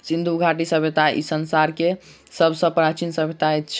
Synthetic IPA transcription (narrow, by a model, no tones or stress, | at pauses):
sind̪ʱuɡʱaʈisəbʱet̪aḭsənsaɾke | səbʱsə̃pɾat͡ʃinsəbʱet̪aet̪t͡ʃʰ